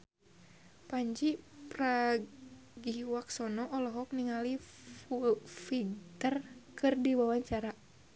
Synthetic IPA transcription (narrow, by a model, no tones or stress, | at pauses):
paɲd͡ʒipɾa | ɡiwaksɔnɔʔːlɔɦɔk̚niŋali | ufit̪ərkɨrdiwawaɲt͡ʃaɾa